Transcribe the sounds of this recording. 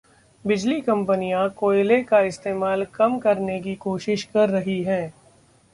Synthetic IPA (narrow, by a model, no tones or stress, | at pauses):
bɪd͡ʒlikɐ̃mpənijãkoːɪlekaɪst̪eːmaːlkɐmkɐɾnek̬ikoːʃɪʃkɐɾːɐɦiɦɛ̃ː